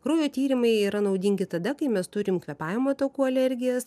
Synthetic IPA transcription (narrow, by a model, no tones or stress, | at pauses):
kɾoːjoːt̪ʲiːɾʲɪmɐɪiːɾɐnɐʊd̪ʲiŋʲɡʲɪt̪ɐd̪ɐkɐɪmʲɛst̪ʊɾʲɪmkʋʲɛpɑːʋʲɪmoːt̪oːkuːɐlʲɛɾʲɡʲɪjɛs